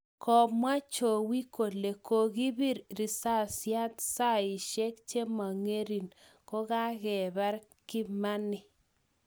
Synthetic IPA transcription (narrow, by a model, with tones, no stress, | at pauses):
kʰɔ˨mwa˦t͡ʃo˨wi˦ko˨le˨kʰo˨ɣi˦βi˦ɾɾi˨sa˦˨sja˦tsa˦˨ɪ˨ʃe˦k̚t͡ʃe˦ma˨ŋe˦ɾi˨n | ko˦ɣa˦ɣɛ˨βa˦ɾ | kɪ˦ma˦nɪ˨